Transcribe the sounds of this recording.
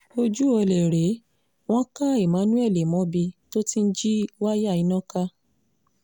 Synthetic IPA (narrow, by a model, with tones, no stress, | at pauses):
o˧d͡ʒu˦ɔ˧le˨ɾe˨˦ | w̃ɔ̃˦ka˦i˦˨mã˨˦nũ˦ɛ˦˨le˨mɔ̃˨˦bi˧to˦ti˦n̩˦d͡ʒi˦wa˦ja˦˨i˨˦nã˦ka˦